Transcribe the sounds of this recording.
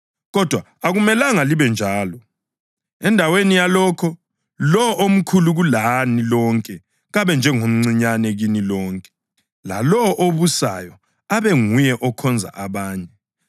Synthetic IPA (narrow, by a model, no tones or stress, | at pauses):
ɣɔd̥ʱwa | aɣumɛlaŋaliβɛnd͡ʒʱaːlɔ | ɛndʱawenijalɔːkʰɔ | lɔʔom̩kʰuluɣulanilɔŋkʼɛ | ɣaβɛnd͡ʒʱɛŋom̩ŋ͡ǀiɲanɛɣinilɔːŋkʼɛ̥ | la̰lɔʔoβusa̰jɔ | aβɛŋujɛʔɔkʰɔnd͡zʱa̰ʔaβaːɲɛ